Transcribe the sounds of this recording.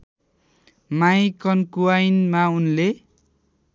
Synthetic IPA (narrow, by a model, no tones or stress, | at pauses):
majkʌnkuajnmaunle